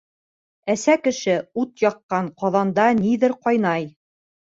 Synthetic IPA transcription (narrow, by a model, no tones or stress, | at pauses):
æsækɘ̆ʃɘut̪jɑqːɑɴqɑðɑnd̪ɑniðɘɾqɑjnɑj